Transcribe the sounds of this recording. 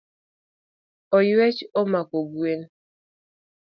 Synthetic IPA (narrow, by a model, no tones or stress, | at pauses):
ɔjwɛt͡ʃɔmakoɡwen